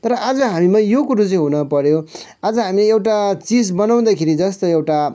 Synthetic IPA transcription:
t̪ʌɾʌʔad͡zʌɦamimãjokuɾut͡sʌĩɦunʌpʌɾjo | ad͡zʌɦamileewʈat͡sid͡zbʌnaw̃d̪akʰeɾid͡zʌst̪oewʈa

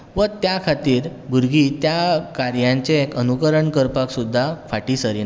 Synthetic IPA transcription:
ʋət̪jakʰat̪iːɾbuɾɡit̪jakaɾjãɲt͡ɕeekənukəɾəɳkəɾpaksud̪ʱːafʰaʈiːsəɾi

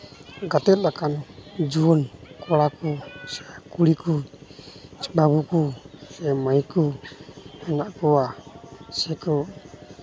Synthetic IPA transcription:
ɡat̪ɛt̪̚lakand͡ʒuɔnkɔɽakɔsɛkuɽiku | sɛbabukusɛmajku | hɛnaʔkɔwasɛkɔ

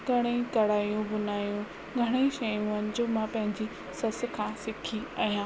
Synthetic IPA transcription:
kɐɽ̃ekɐɽaːijũbʊnaːjũ | ɡʱɐɽ̃eʃɐjũənɪ̆d͡ʑoːmãpɐ̃ɦɪ̃ɲd͡ʑi | sɐs̆kʰãːsɪkʰiɐɦijãː

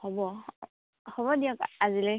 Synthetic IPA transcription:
hɔbɔ | hɔbɔdiɔkazilɛ

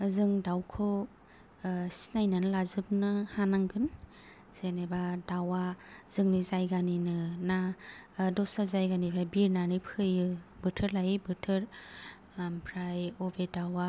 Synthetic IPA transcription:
ɯzɯŋdawkʰɯ | si̥najnanlazɯp̚nɯhanaŋɡɯn | z̥enebadawaz̥ɯŋnizajɡaninɯna | dɔsazajɡanipʰɾajbiɾnanɯpʰɯjɯbɯtʰɯɾlajɯbɯtʰɯɾ | pʰɾajobedawa

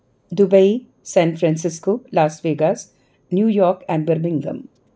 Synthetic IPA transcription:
d̪ʊbəi | sɛ̃ːnfɾɛ̃ːnsɪskoːlaːsʋeːɡas | njuːjɔːɾkɛ̃ɳɖbəɾmɪ̃ŋɡə̰̃m

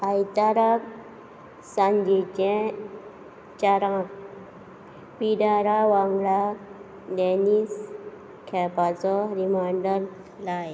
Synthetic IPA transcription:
ajt̪aɾab | sãɲd͡ʑit͡ɕɛ̃ | t͡ɕaɾãk | piɖaɾaʋaŋɡɭa | d̪ɛnis | kʰɛpat͡sɔɾimajɳɖəɾ | laj

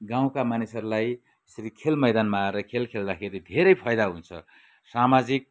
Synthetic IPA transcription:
ɡãw̃kamanisʌɾulaj | sɾikʰelmʌjd̪anmaːɾʌkʰelkʰeld̪axʰeɾid̪ʱeɾʌjpʰʌjd̪aɦunt͡sʰʌ̰ | samad͡zik̚

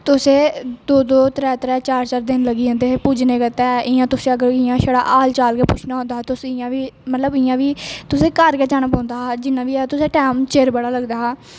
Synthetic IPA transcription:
t̪ʊsẽːd̪oːd̪oːt̪ɾɛːt̪ɾɛːt͡ʃaːɾt͡ʃaːɾd̪ɪnləɡiːãːnd̪eːeːpuːd͡ʒneːkət̪ɛːɪãːt̪ʊsẽːəɡəɾɪjãːʃəɽa̰ːʔaːlt͡ʃaːlkeːpʊːt͡ʃʰnaːɦõːnd̪aːɦt̪ʊsẽɪjãːʋiːmət̪ləbɪjãːʋiːt̪ʊsẽːkəɾkeːd͡ʒaːnaːpɔ̃ːnd̪aːɦd͡ʒɪnːãːʋiːɛːt̪ʊsẽːʈɛːmt͡ʃeɾbəɽaːləɡd̪aːɦaː

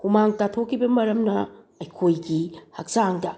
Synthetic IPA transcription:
humaŋtatʰokʰːibɐmɐɾɐmnɐ | ɐjkʰojɡihɐk̚zaŋdɐ

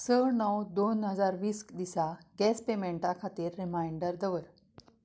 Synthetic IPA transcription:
səɭnəwd̪onɦəd͡zaɾʋiːskd̪isaɡɛspemeɳʈakʰat̪iːɾːimajiɳɖəɾd̪əʋəɾ

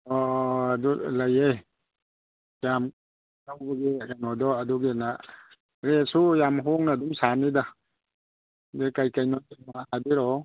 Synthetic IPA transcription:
ɔdulajej | jam | nawbaɡikanɔdɔɐduɡina | ɾesujamɦɔŋnadumsanida | dekajkajnatimahabiɾɔ

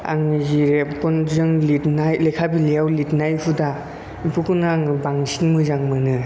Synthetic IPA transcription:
a̰ŋziɾekɔnzɯŋlitnajlekʰabilijawlitnajpʰuda | pʰukunaŋbaŋsinmɯzaŋmɯnɯ

